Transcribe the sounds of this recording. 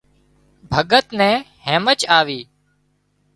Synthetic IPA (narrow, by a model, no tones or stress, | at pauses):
bʱəɠət̪nɛ̃ː | hɛ̃ːmət͡ʃaːʋiː